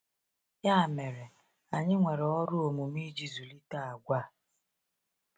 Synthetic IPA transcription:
ja˦˨me˨ɾe˨ | a˨ɲɪ˦ŋʷe˨ɾe˨ɔ˦ɾʊ˦o˨mu˨mi˦d͡ʒi˦zu˨li˦ta˦a˨ɡʷa˦˨

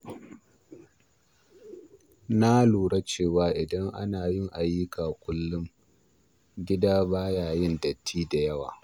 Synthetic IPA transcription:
na˦luː˨ɽa˦t͡ʃeː˦˨waː˨˦ʔɪ˨dɐ˦ŋʔa̰˦naː˨jɪ˦ŋʔa˨jɪ˦kʰaː˨kʷʊ˦lːʊ˦ŋ | ɡʲɪ˦daː˦baː˦jaː˨jɪ˦ndɐ˨tʰːiː˦da˨jɐ˦wa̰ː˨

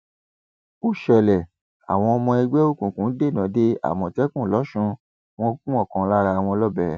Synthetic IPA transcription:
o˦ʃɛ˨lɛ˨ | a̰˨w̃ɔ̃˧ɔ˧mɔ̃˧ɛ˧ɡ͡bɛ˦o˦˨kũ˨kũ˨˦de˦˨nã˨˦de˦a̰˨mɔ̃˨tɛ˦kũ˦˨lɔ˨˦ʃũ˧ | w̃ɔ̃˦kũ˦ɔ˦˨kã˨˦la˦ɾa˧˨w̃ɔ̃˧lɔ˦bɛ˨˦

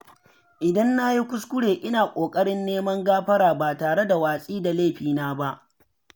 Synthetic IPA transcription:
ʔɪ˨dɐ˦nːa˦ji˦kʷʊ˦skʷʊ˦ɽeː˨ʔɪ˦naː˨kʷʼoː˨kʼɐ˦ɽɪ˦nːeː˦mɐ˦ŋɡaː˦ɸɐ˦ɽaː˨baː˨taː˨ɽe˦da˨waː˨sʼiː˦da˨leː˦˨ɸiː˨naː˦ba˦ʔ

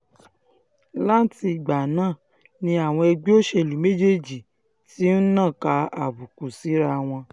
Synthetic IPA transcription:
la˦ti˧˨ɡ͡ba˨nãː˦˨ | nĩ˧a˨w̃ɔ̃˧ɛ˧ɡ͡bi˦o˦ʃe˧˨lu˨me˦d͡ʒe˦˨d͡ʒi˨ | ti˦n̩˦nãː˦˨ka˧a̰˨bu˨ku˨si˨˦ɾa˧w̃ɔ̃˧

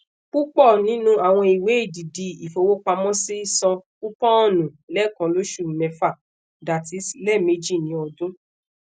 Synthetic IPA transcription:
k͡pu˦k͡pɔ˦˨nĩ˨˦nũ˦a˨w̃ɔ̃˧i˨we˨˦i˦˨di˨di˧i˨fo˨˧wo˦k͡pa˧mɔ̃˦si˦i˦˨sɔ̃˧ | u˦pɔ̃˦ɔ˦˨nũ˨lɛ˨˦˨kã˧lo˦ʃu˦˨nɛ̃˧fa˦˨ | da˨ti˨˦slɛ˦˨me˧d͡ʒi˦˨nĩ˨˦ɔ˧dũ˦

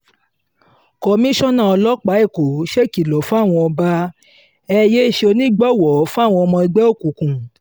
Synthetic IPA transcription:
kɔ˧mĩ˦ʃɔ˦nã˦˨ɔ˧lɔ˦k͡pa˨˦i˦˨ko˨ʃe˦˨ki˨lɔ˨˦fũ˦a˦˨w̃ɔ̃˧ɔ˧ba˦ | ɛ˧je˦˨ʃe˧o˧nĩ˦ɡ͡bɔ˦˨wɔ˨˦fũ˦a˦˨w̃ɔ̃˧ɔ˧mɔ̃˧i˧ɡ͡bɛ˦o˦˨kũ˨kũ˨

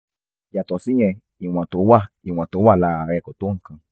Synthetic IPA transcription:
ja˨tɔ˨sĩ˨˦j̃ɛ̃˧ | i˨w̃ã˨to˨˦wa˦˨ | i˨w̃ã˨to˨˦wa˦˨la˧a˨˧ɾɛ˧kɔ˨to˦ŋ̩˨kã˧

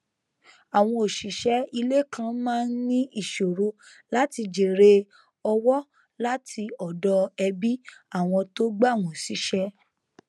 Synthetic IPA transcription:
a˨w̃ɔ̃˧o˨ʃi˨ʃɛ˨˦i˧le˦˨kʰã˧mãː˦n̩˦nĩ˦i˦˨ʃo˨ɾo˧ | la˦ti˧d͡ʒe˨ɾe˧ | ɔ˧wɔ˦ | la˦tʰi˧ɔ˨dɔ˧ɛ˧bi˦a˦˨w̃ɔ̃˧to˦ɡ͡ba˦˨w̃ɔ̃˨si˨˦ʃɛ˦

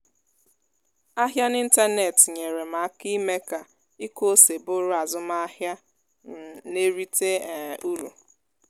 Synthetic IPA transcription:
a˦ɦja˦ni˦n̩˦ta˦ne˨tɲe˨ɾe˨ma˨˦ki˦me˦ka˨ | i˦ko˦se˨bʊ˦ɾʊ˦a˨zʊ˦ma˦ɦja˦˨ | ne˦ɾi˦te˦˨u˦ɾṵ˨

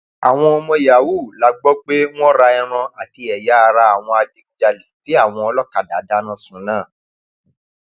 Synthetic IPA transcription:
a˨w̃ɔ̃˧ɔ˧mɔ̃˧ja˨wu˦˨la˦ɡ͡bɔ˦ɡ͡be˦w̃ɔ̃˦ɾa˧ɛ˧ɾ̃ɔ̃˧a˨ti˧ɛ˨ja˨˦˧ɾa˧˦a˨w̃ɔ̃˧a˧d͡ʒi˧kd͡ʒa˧li˨ti˨˦a˦˨w̃ɔ̃˧ɔ˧lɔ˦ka˨da˨˦da˦nã˦˨sũ˨˦nãː˦˨

